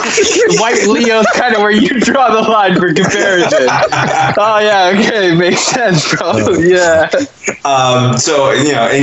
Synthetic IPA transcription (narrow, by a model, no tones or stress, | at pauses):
waɪplioʊz̥kʰãɪ̃ndəwə˞jɨdɹɔðəlãɪ̃nfə˞kɨ̃mpʰɛɹɪsɪ | oʊjæoʊkʰeɪmeɪksɛ̃nsfoljæ | ʌ̃msoʊjɨnoʊʔɨ̃